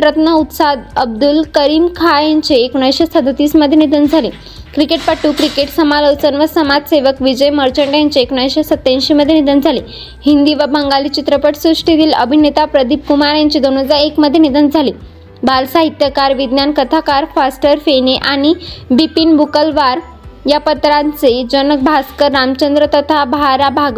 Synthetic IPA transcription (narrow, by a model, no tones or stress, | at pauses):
ɾət̪nəut̪sad̪əb̚d̪ulkəɾiːmkʰajaɲt͡ɕeːkuɳajɕesəd̪ʱət̪iːsməd̪ʱːjenid̪ənd͡zʱaliː | kɾikeʈ̚paʈuːkɾikeʈsəmaləwt͡sənʋəsəmad͡zseʋəkʋid͡ʑəjməɾt͡ɕəɳɖjaɲt͡ɕeekuɳajɕesət̪ːãnɕiməd̪ʱjenid̪ənd͡zʱali | hind̪iʋəbʱəŋɡaliːt͡ɕit̪ɾəpəʈsuʂʈid̪iːləbʱinet̪apɾəd̪ʱip̚kumaɾjaɲt͡ɕid̪onod͡zaekməd̪ʱːjenid̪ənd͡zʱali | balsaɦit̪jəkaɾʋid̪njankət̪ʰakaɾfasʈəɾfeneʔaɽ̃ibipinbukəlʋaɾ | japət̪ɾãnt͡sed͡ʑənək̚bʱaskəɾːamt͡ɕənd̪ɾət̪ət̪ʰabaɾabʱaɡ